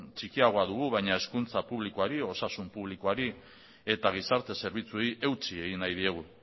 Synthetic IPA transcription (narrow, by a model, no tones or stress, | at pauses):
t͡ʃikiaɣ̞o̞aðuɣuβajɲae̞skunt͡sapuβlikoaɾio̞sasumpuβ̞liko̞aɾi | e̞t̪aɣ̞isaɾt̪e̞se̞ɾβ̞it͡suejʔe̞wt͡sie̞ɣinajðie̞ɣ̞u